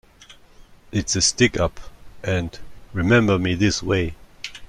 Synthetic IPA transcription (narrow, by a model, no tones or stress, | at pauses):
ʔɨtsɨstɪkʌpʔɨ̃nɹɨmɛ̃mbə˞miðɪsweɪ